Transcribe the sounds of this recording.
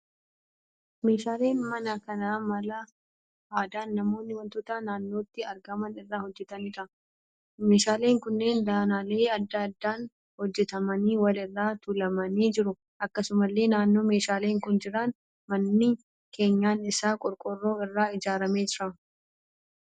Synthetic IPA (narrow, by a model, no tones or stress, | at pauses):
me̞ːʃaːle̞ːnmɐnɐkɐnɐmɐlɐ | aːd̪aːnːɐmo̞ːnːɪwɐnt̪ʊːt̪ɐnaːnːo̞ːt̪ːɪɐɾɡɐmɐnɪrːaːhɔd͡ʒːɛt̪ɐniːt̪ɐ | me̞ːʃaːle̞ːŋkʊnːe̞ːnd̪aːnaːle̞ːɐd̪ːɐɐd̪ːaːn | hɔd͡ʒːɛt̪ɐmɐniːwɐlɪrːaːt̪ʊlɐmɐniːd͡ʒɪɾʊ | ʔɐkːɐsʊmɐlːe̞ːnaːnːo̞ːme̞ːʃaːleːŋkʊnd͡ʒɪɾɐn | mɐnːiː | kʰe̞ːɲːaːnɪsaːkʼɔɾkʼɔrːo̞ːɪrːaːɪd͡ʒaːɾɐme̞ːd͡ʒɪɾɐ